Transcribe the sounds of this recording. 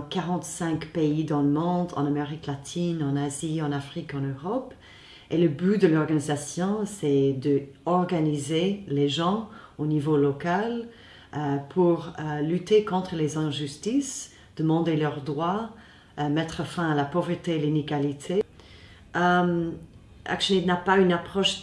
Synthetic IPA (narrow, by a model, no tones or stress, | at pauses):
kaʁɑ̃t̪sɛ̃kpeid̪ɑ̃ləmɔ̃d̪ɑ̰̃nameʁiklat̪ʰinɑ̃naziɑ̃nafχikɑ̃nøʁɔp | eləbyd̪əlɔʁɡanizasjɔ̃sɛd̪əɔʁɡanizeleʒɑ̃ | onivolɔkal | əpʰuʁəlyt̪ekɔ̃t̪χəlezɛ̃ʒyst̪is | d̪̥əmɑ̃d̪elœʁd̪ʁwa | əmɛt̪χəfɛ̃alapɔvʁət̪elineɡalit̪ʰe | əm | ʔa̰kʃənit̪napaynapχɔʃ